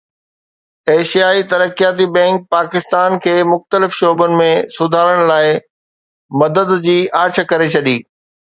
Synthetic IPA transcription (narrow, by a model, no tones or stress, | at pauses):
eːʃijaːit̪ɐɾəkijaːt̪̬ibɛ̃ːŋk̚paːkɪst̪aːnkʰeːmʊxt̪əlɪfʃoːbənɪ̆mẽsʊd̪ʱaːɾəɽ̃laːɪ | mɐd̪əd̪d͡ʑiːʔaːt͡ɕʰkɐɾet͡ɕʰɐɗiː